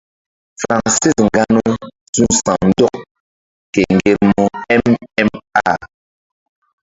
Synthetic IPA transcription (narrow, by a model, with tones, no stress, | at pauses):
fa˨ŋ˨se˦sŋ˨ɡa˦nɔ˦ | zu˦n˦sã˨mn̩˦dɔ˦˨k̚ | kɛ˨ŋ̩˨ɡe˨ɾmɔ˦ɛ˦mɛ˦ma˦˨